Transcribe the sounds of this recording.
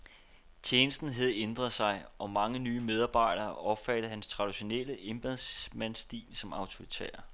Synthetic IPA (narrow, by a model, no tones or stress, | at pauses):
t͡ɕʰeːnəsd̥n̩ɦæð̞̩ˠend̥ʁɐð̩ˠsɑ̈ɪʔɒ̽mɑ̈ŋənyːmeð̞ˠɑ̈ːb̥ɑ̈ɪ̰ɾɐːʔɒ̽b̥fæd̥ð̩ˠɦænst͡sʰʁɑ̈d̥iɕo̝nel̰əʔe̝mb̥æðˠmænsd̥ḭːlsɒ̽mɑ̈ʊt͡sʰo̝ʁit͡sʰḛːɐ